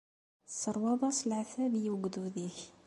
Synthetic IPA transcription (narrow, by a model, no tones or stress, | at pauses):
səɾˤwɑd̪ˤɑslʕaθæbjəɡd̪uðiç